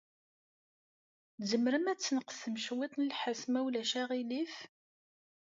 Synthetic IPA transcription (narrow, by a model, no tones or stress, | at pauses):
zəmɾəmæt͡sːnəqsəmʃwit̪nəlħəsmæwlæʃæʁilif